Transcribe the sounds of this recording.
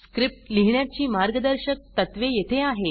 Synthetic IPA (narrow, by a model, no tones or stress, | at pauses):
skɾip̚ʈliɦɳjat͡ɕiːmaɾɡəd̪əɾɕək̚t̪ət̪ʋejet̪ʰeaɦe